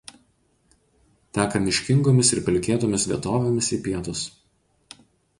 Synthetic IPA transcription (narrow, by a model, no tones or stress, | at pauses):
t̪ʲæːkɐmʲɪʃʲkʲɪŋɡoːmʲɪsɪɾpʲɛlʲkʲeːt̪oːmʲɪsʋʲiɛt̪oːʋʲemʲɪsiːpʲiɛt̪ʊs